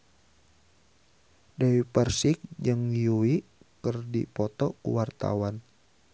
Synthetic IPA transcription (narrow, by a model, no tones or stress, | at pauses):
dawipərsik̚d͡ʒɨŋjuikərdḭpɔt̪ɔkṵwart̪a̰wan